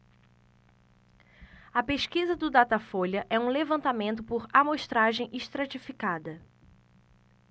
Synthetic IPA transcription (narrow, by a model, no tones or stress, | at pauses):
ɐpeʃkizɐd̪ʊd̪at̪afolʲɐʔɛũlevɐ̃nt̪amẽnt̪ʊpʊɾamoʃt̪ɾaʒẽj̃ʔiʃt̪ɾat͡ʃifikad̪ɐ